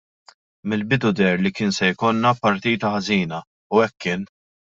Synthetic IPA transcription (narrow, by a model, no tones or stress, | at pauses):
mɪlbɪd̪ʊd̪ɛɾlikɪːnsɛjkɔnːɐpːɐɾt̪iːt̪ɐħɐziːnɐ | ʊɛkːɪːn